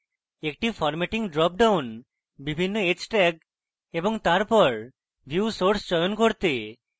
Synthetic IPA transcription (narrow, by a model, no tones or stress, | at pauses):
ekʈifɔɾmɛʈiŋɖɾɔp̚ɖawn | bibʱinːoet͡ɕʈɛɡ̚ | eboŋt̪aɾpɔɾ | bʱjusoɾsd͡ʑɔjonkoɾt̪e